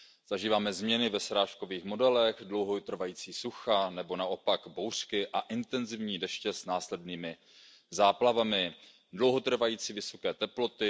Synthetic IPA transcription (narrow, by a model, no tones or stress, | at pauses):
z̥aʒiːvaːmɛzmɲɛnɪvɛsɾaːʃko̞viːxmo̞dɛlɛɣdlo̞wɦot̪r̩vajiːt͡siːsuxanɛbo̞naʔo̞paɡbowr̥kɪʔaʔɪnt̪ɛnzɪvɲiːdɛʃcɛsnaːslɛdniːmɪ | zaːplavamɪ | dlo̞wɦo̞t̪r̩vajiːt͡siːvɪso̞kɛːt̪ɛplo̞t̪ɪ